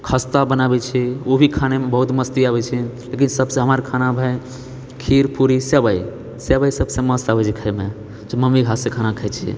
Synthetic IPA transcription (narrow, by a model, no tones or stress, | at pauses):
kʰəst̪abənabɛt͡ʃʰɛobʱikʰanemebəɦut̪məst̪iaβɛt͡ʃʰɛlekinsəbsẽɦəməɾkʰanabʱə | kʰiɾpuɾisebəj | sebəjsəbsẽməst̪abɛt͡ʃʰikʰəjme | d͡ʒməmiɡʱasekʰanakʰəjt͡ʃʰɛ